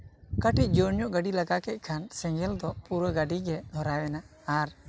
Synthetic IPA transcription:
kəʈic̪̚ˀd͡ʒəɾɲɔʔɡaɖilaɡaʔkɛc̪̚ˀkʰansɛ̃ŋɡɛld̪ɔpuɾəɡaɖiɡɛd̪ʱɔɾawɛnaː | ɾ

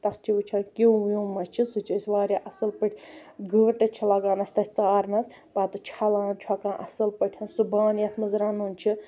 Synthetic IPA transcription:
t̪ɐkt͡ʃʰiʋɨt͡ʃʰakiwwjuːmɐt͡ʃʰisɨt͡ʃʰisʲʋaːɾʲjaʔɐsɨlpɨʈʲʰɡəːʈɐt͡ʃʰilɐɡaːnɐsʲt̪ɐsʲt͡saːɾnɐs | pɐt̪ɨt͡ʃʰɐlaːnt͡ʃʰwakãːʔɐsɨlpɐʈʲʰɐnsubaːnjɐt̪ʰmɨzɾaːnuːnt͡ʃʰi

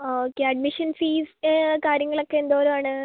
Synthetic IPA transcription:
okːeɐɖ̚miʂɐnfiːskaːɾjɐŋːɐɭo̞kːe̞end̪oːɐɾumaːɳɨ

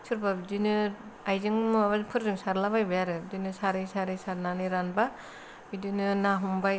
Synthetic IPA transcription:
sɯɾbabdinɯ | ajzɯŋmbapʰɯɾzɯŋsaɾlabajbajaɾɯdinɯsaɾɯjsaɾɯsaɾnanɯɾanba | idɯnɯnaɦumbaj

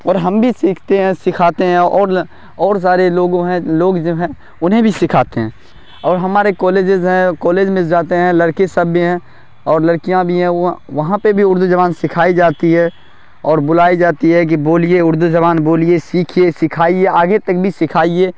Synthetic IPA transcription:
ɔːɾɦɐmbʱisiːkʰt̪eɦɛ̃sɪkʰaːt̪eɦɛ̃ɔːɾ | ɔːɾs̬aːɾeloːɡõɦɛ̃loːɡd͡ʒoːɦɛ̃ː | ʊnɦẽbʱisɪkʰaːt̪eɦɛ̃ː | ɔːɾɦɐmaːɾekɔːleːd͡ʒɪzɦɛ̃kɔːleːd͡ʒmɪsd͡ʒaːt̪eɦɛ̃lɐɾkesɐbʱiɦɛ̃ | ɔːɾlɐɽkijãbʱiɦɛ̃ʋɐɦãpebʱiʊɾd̪ud͡ʒɐʋaːnsɪkʰaːid͡ʒaːt̪iɦɛ | ɔːɾbʊlaːid͡ʒaːt̪iɦɛk̬iboːlieʊɾd̪ud͡ʒɐʋaːnboːliesiːkʰijesɪkʰaːieaːɡet̪ɐk̚bʱisɪkʰaːieː

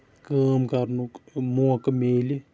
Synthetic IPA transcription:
kaːmkɐɾnukmukɐmeːli

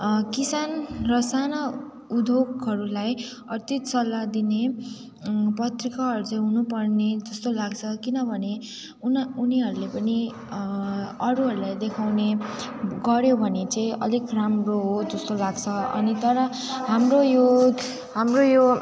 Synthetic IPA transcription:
kisanrʌsanʌ | ud̪ʱokɦʌɾulaj | ʌrt̪it̪sʌlːad̪ine | pʌt̪rikaɦʌɾut͡saĩɦunupʌrned͡zʌst̪olaɡt͡sʰʌkinʌbʱʌne | nuniɦʌɾulepʌni | ʌɾuɦʌɾulajd̪ekʰawne | ɡʌɾjobʱʌnet͡saĩʔʌ̰likramroɦod͡zʌst̪olaɡt͡sʰʌʌ̰nit̪ʌɾʌ | ɦamrojo | ɦamrojo

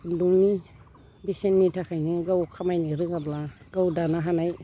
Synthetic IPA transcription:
duŋni | bisenːitʰakʰajnɯɡawkʰamajniɾɯŋɡabla | ɡawdanaɦanaj

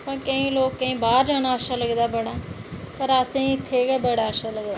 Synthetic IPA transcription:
pəkəĩloːkːə̃ĩːbaːɾd͡ʒaːnaaːʃaːləɡd̪aːbəɽaːpəɾasẽt̪ʰeːɡaːbəɽaːʃaləɡd̪aː

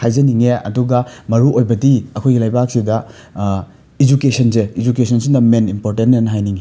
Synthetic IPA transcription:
hajzɐniŋeɐ̰duɡɐmɐɾuʔojbɐdiɐkʰojɡilajbak̚sidɐ | id͡ʒukesʰɐnzeid͡ʒukesʰɐnsindɐmenimpoɾtentːenɐɦajniŋe

